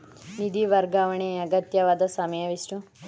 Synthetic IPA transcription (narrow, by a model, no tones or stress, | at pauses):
nid̪iʋɐɾɡaʋɐɳeːɐɡɐt̪jɐʋaːd̪ɐsɐmɐjɐʋisʈu